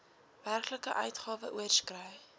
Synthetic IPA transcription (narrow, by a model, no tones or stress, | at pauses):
værkləkə̰ʔœ̰ɥtχɑːvəʔuərskrœj